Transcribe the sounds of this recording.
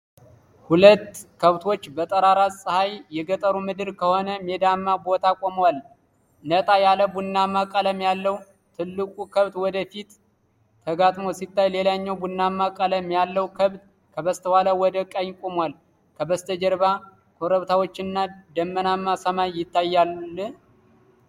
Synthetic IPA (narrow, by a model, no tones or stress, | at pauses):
hulət̪ːkʰəβt̪ʰo̞t͡ʃːbət̪ʼəɾaɾasʼɨhajjɛɡət̪ʼəɾumɨd̪ɨɾkʰəho̞nəmed̪amːabot̪ʰakʼoməwal | nət̪ʼajaləbunːamakʼələmjalːəw | t̪ʰɨlːɨkʼukʰəβt̪wɔd̪əfit̪ːʰ | əɡat̪ʼmo̞sit̪ːajle̞laɲːɛwbunːamːakʼələmjalːəwkʰəβt̪ | kʰəβəst̪ʰəwaləwɔd̪əkʼajkʼomwal | kʰəbəst̪ʰəd͡ʒəɾba | kʰoɾəβt̪ʰawot͡ʃːɪnːad̪əmːənamːasəmajjɪt̪ːajːaɨ